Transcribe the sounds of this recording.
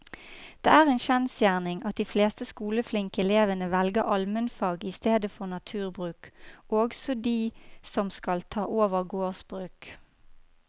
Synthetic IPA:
d̪̥ḛːæːʁeːnʃɛnsjæːʁnɪŋɑt̪̚d̪iːfleːst̪əskuːləflɪŋkəɛleːʋənəʋɛlɡəʁɑlmənfɑːɡɪst̪eːd̪əfɔʁnɑt̪ʰʉːʁbʁʉːkoːɡsɔd̪iːsɔmskɑlt̪ʰɑːʔoːʋəʁɡoːʁsb̥ʁʉːk

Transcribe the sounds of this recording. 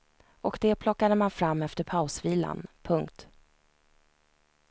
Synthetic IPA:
ɔkd̪ɛpʰlɔkːad̪əmanfɾamːɛft̪əɾpʰaʊsviːla̰npʰɵŋkt̪

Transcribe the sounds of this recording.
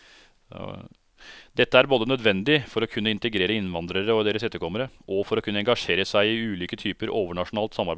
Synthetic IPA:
d̪ɛt̪ːəæɾboːd̪ənœd̪ʋɛnd̪ɪfɔɾɔkʰʉnːəɪnt̪əɡɾeːɾəɪnʋɑnd̪ɾəɾəɔd̪eːɾəsɛt̪ːəɾkʰɔmːəɾəʔɔfɔɾɔkʰʉnːəɛŋɡɑʂeːɾəsæɪɪʉːliːkət̪ʰyːpəɾoːʋəɳɑʂʊnɑːlt̪sɑmːɑɾb

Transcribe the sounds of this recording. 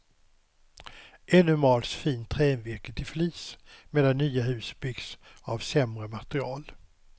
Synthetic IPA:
ʔɛnɵmɑːlsfiːnt̪ʰːɾɛːnvɪɾkət̪ʰɪfliːsmeːd̪anːyːaɦʉ̟ːsbʏɡsavsɛmɾəmat̪ɾɪɑːl

